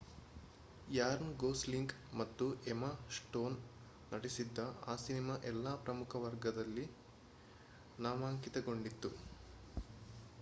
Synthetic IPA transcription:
jaːɾnɡoːsliŋk | mɐt̪ːuʔemɐsʈo̞ːnː | ɐɽisid̪ːɐa̰ːsinimaʔɛlːaːpɾɐmukʰɐʋɐɾɡɐd̪ɐlːi | naːmaːŋkit̪ɐɡo̞ɳɖit̪ːu

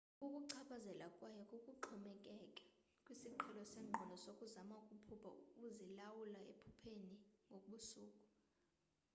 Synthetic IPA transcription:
ukʼuǀʰaɓazɛlakʼwajɔkʼukʼuǃʰɔmɛkʼɛkʼɛ̥ | kʼwisiǃʰɛlɔsɛŋ͡ǃʱɔnʱɔsokʼuzamaukʼupʰupʰa̰ukʼuzilawulaḛpʰupʰeniŋɡʱoɓusuːkʼu̥

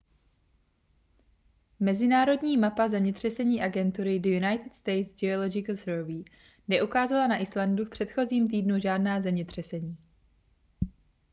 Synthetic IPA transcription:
mɛzɪnaːɾo̞dɲiːmapazɛmɲɛt̪r̝̥ɛsɛɲiːʔaɡɛnt̪uɾɪdojunajt̪ɪt̪st̪ɛjt̪zd͡ʒɛolod͡ʒɪkl̩səːviː | nɛʔukaːzalanaʔɪslandufpr̥ɛt̪xo̞ziːmt̪̬iːdnuʒaːdnaːzɛmɲɛt̪r̝̥ɛsɛɲiː

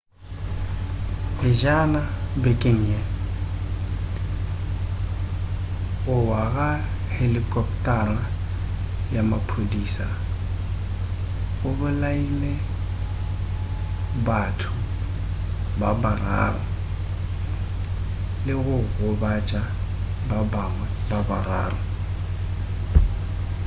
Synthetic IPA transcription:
bɪʒanabekʼeŋ̩ɛ | ɣʊwaɣa | helɪkʼɔp̚tʼara | jamapʰrodiːsa | ɣʊbʊlaile | batʰʊ | babara̰ːrɔ | lɪɣʊɣʊbat͡ʃʼa | bab | wɛ | babara̰ːrɔ

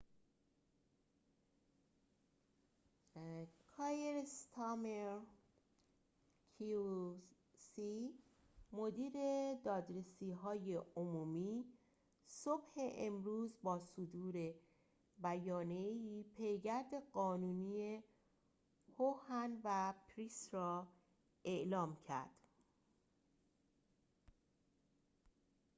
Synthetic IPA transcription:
kʰɑjeɾst̪ʰɑmeɾ | kʰi | si | mo̞d̪iːɾe̞d̪ɒːd̪ɾesiːɦɒːjeomuːmiː | so̞bhe̞ʔemɾuːzbɒːsod̪uːɾe̞ | bæjɒːnieiːpʰejɡæɾd̪e̞ɢɒːnuːniːe | hohænvæpʰɾisrɒː | e̞ʔlɒːmcʰæ̰ɾd̪̥

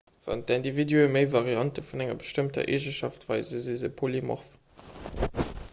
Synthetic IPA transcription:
v̥ɑ̰ntændividyəməɪvɑʁiɑntəfunæŋɐbəʃtəmtɐ̰ʔeʒəʃɑ̰ftv̥ɑɪzəzizəpʰolimɔ̰f

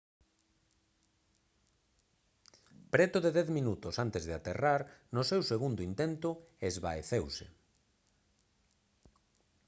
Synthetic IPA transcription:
pɾɛt̪ʊðeðɛθminut̪ʊsant̪ezðeat̪eraɾnʊsewseɣund̪ʊint̪ɛnt̪ʊezβaeθewsɪ̰

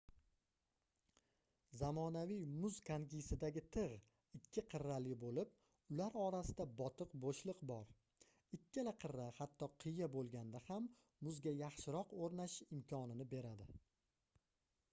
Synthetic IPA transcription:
zamɒnavijmʊzkʰaŋɡʲisɪd̪aɡʲɪt̪ʰɨʁ | ɪkʲʰːɪqʰɨɾːalɪbolɪp | ʊlaɾɒɾasɪd̪abɒt̪ʰɨqboʃlˠɨqbɒɾ | ɪkʲʰːɪlaqʰɨɾːahat̪ʰːɒqʰɨjabolˠɡʲand̪ahamː | ʊzɡʲajɑχʃɪɾɒqoɾnaʃɪʃɪmkʰɒnɪnɪbe̞ɾad̪ɪ

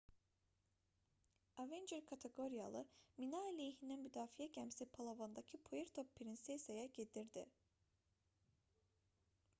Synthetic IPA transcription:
avend͡ʒeɾkʰat̪ʰeɡo̞ɾija̰lˠɯminalʲejɦinɛnmyd̪aːfijɛɟæmsipʰalˠavond̪acʰipʰojiɾt̪ʰopʰːiɾinsesajaɟed̪iɾd̪ɪ̰

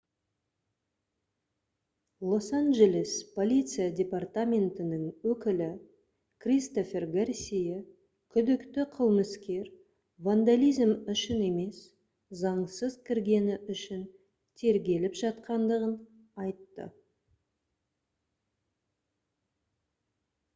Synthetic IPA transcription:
lˠo̞sanʒe̞lʲespʰo̞lʲijt̪sɨjadʲe̞part̪amʲe̞nt̪ɪnɪŋwɵkʲɪlɪ | kʰrʲist̪o̞fʲe̞rɡarsʲije | kʲʰʏd̪ɪkt̪ɪqʰəlˠməskʲe̞ɾ | vand̪alʲijzmʏʃɪne̞me̞s | zɑɴsəzkʲʰɪɾɡʲe̞nɪʔʏʃɪn | t̪ʰe̞ɾɡʲe̞lɪpʒɑt̪̚qɑnd̪əʁən | ɑjt̪ːə̰

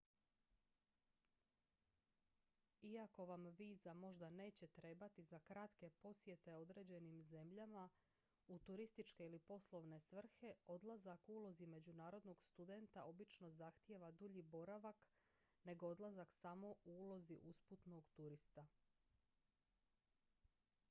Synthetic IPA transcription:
iako̞ʋamʋiːzamo̞ʒd̪ane̞ːt͡ɕe̞t̪ɾe̞bat̪izakɾat̪ke̞po̞sje̞t̪e̞o̞d̪ɾe̞ːd͡ʑe̞nimze̞mʎama | ut̪uɾist̪it͡ʃke̞ilipo̞slˠo̞ʋne̞sʋr̩xe̞o̞d̪lˠazakuːlˠo̞zime̞d͡ʑunaːɾo̞d̪no̞ɡst̪ud̪e̞nt̪ao̞bit͡ʃno̞zaxt̪je̞ʋad̪uʎibo̞ɾaʋak | ne̞ɡoo̞d̪lˠazaksamo̞uuːlo̞ziʔusput̪no̞ɡt̪uɾist̪a

